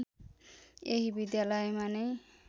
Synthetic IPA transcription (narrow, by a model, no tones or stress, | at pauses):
eɦibid̪jalajmane